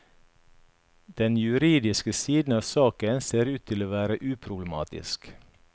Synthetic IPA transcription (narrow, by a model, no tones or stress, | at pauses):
d̪̥ɛnjʉɾiːd̪ɪskəsiːd̪n̩ɑːʋsɑːkənseːɾʉːt̪t̪ʰɪloːʋæːɾəʔʉːpʰɾʊbləmɑ̰ːt̪ɪ̰sk